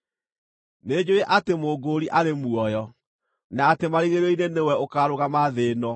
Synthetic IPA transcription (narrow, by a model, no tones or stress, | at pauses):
ned͡ʑoeʔatemoːɡoɾiʔaɾemuɔjɔ | naːtemaɾiɣeɾɔinenewɛokaɾoɣamaðenɔ